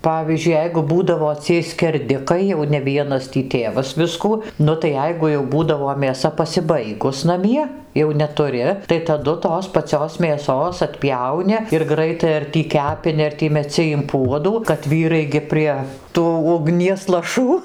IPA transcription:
ˈpɑːʋʲiːzʲd͡ʒʲʊɪ ˈjɛɪɡʊ ˈbuːdɐʋoː t͡sʲiɛj sʲkʲɛrʲˈdʲɪkɐɪ jɛʊ nʲɛ ˈʋʲiɛnɐs tʲiː ˈtʲeːʋɐs ˈʋʲɪskuː ˈnʊ tɐɪ ˈjɛɪɡʊ jɛʊ ˈbuːdɐʋoː mʲeːˈsɐ pɐsʲɪˈbɐɪɡʊs nɐˈmʲiɛ jɛʊ nʲɛtʊˈrʲɪ tɐɪ tɐˈdʊ ˈtoːs pɐˈt͡sʲoːs mʲeːˈsoːs ɐtʲˈpʲjɛʊnʲɪ ɪr ɡrɐɪˈtɐɪ ɐr tʲiː ˈkʲæːpʲɪnʲɪ ɐr ˈtʲiː mʲɛˈt͡sʲɪ ɪm puɔduː kɐt ˈʋʲiːrɐɪ ɡʲɪ ˈpʲrʲiɛ ˈtuː ʊɡˈnʲiɛs lˠɐˈʃuː

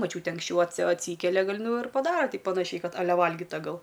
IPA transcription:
mɐˈt͡ʃʲuːtʲeː ɐŋksʲˈt͡ʃʲɛʊ ɐtʲsʲɪ ɐtʲˈsʲiːkʲɛlʲɛ ˈɡɐlˠ ˈnʊ ɪr pɐˈdɑːrɐ ˈtʲɪ pɐˈnɑːʃʲɛɪ ˈkɐt ɐˈlʲɛ ˈʋɐlʲɡʲiːtɐ ˈɡɐlˠ

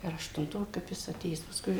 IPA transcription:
ɐr ɐʃtʊnˈtoː kɐp ˈjɪs ɐˈtʲeːjæːs pɐˈskʊɪ

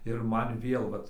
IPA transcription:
ɪr ˈmɐn ˈʋʲeːlˠ ˈʋɐt

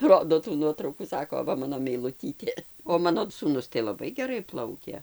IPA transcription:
ˈroːdoː tuː ˈnuɔtrɐʊkuː ˈsɑːkoː ˈʋɐ ˈmɑːnoː mʲɛɪlˠʊˈtʲiːtʲeː oː ˈmɑːnoː suːˈnʊs tɐɪ lˠɐˈbɐɪ ɡʲɛˈrɐɪ ˈplˠɐʊkʲeː

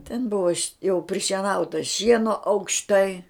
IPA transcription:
tʲɛn ˈbʊʋoː jɛʊ pʲrʲɪʃʲiɛˈnɐʊtɐ ˈʃʲiɛnoː ɐʊkʃˈtɐɪ

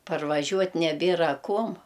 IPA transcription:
pɐrʋɐˈʒʲuɔtʲ nʲɛˈbʲeːrɐ ˈkuɔm

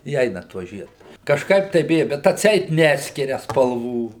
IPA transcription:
ɪ ˈɛɪnɐ ˈtuɔ ˈʒʲiɛdʊ kɐʃˈkɐɪp tɐɪ ˈbʲɪjɛ bʲɛt ɐtʲˈsʲɛɪt ˈnʲæːsʲkʲɪrʲɛ spɐlˠˈʋuː

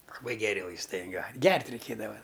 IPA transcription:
lˠɐˈbɐɪ ɡʲɛˈrʲɪ ʋɐɪsˈtɐɪ ˈjoː ˈɡʲɛrʲtʲ rʲɛɪˈkʲeːdɐʋɐ

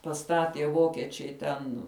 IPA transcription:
pɐˈstɑːtʲiɛ ˈʋoːkʲiɛt͡ʃʲɛɪ tʲɛn

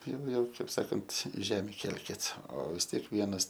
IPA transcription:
ˈjɛʊ ˈjɛʊ ˈkɐɪp ˈsɑːkɐnt ˈʒʲæːmʲɪ ˈkʲɛlʲkʲɪt oː ʋʲɪs ˈtʲiɛk ˈʋʲiɛnɐs

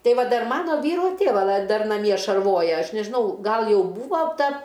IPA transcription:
ˈtʲɛɪ ˈʋɐ ˈdɐr ˈmɑːnoː ˈʋʲiːroː ˈtʲeːʋɐ lˠɐɪ ˈdɐr nɐˈmʲiɛ ʃɐrˈʋoːjɛ ˈɐʃ nʲɛʒʲɪˈnɐʊ ˈɡɐlˠ ˈjɛʊ ˈbuːʋoː ˈtɐ

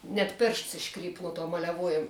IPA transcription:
nʲɛt ˈpʲeːrʃts ɪʃˈkrʲiːp nʊ tuɔ mɐlʲɛˈʋuɔjɛm

